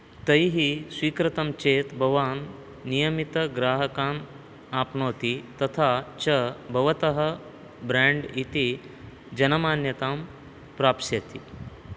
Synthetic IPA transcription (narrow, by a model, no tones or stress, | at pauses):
t̪ɐjɦisʋiːkɾɐt̪ɐmt͡ʃeːt̪bʱɐʋaːnː | ijəmit̪ɐɡɾaːɦəkaːn | aːpɳoːt̪it̪ɐt̪ʰat͡ʃɐbʱɐʋɐt̪ɐɦə | bɾãɳɖit̪i | d͡ʒɐnɐmaːnjɐt̪aːm | pɾaːpsɐt̪i